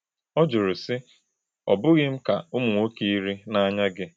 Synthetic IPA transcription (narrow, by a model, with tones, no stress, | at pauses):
ɔ˦d͡ʒʊ˨ɾʊ˨sɪ˦ | ɔ̰˨bʊ˦ɣɪ˦m̩˦ka˨ʊ˦mʊ˨ŋʷo˦ki˦i˦ɾi˦na˦ɲa˦ɡɪ˦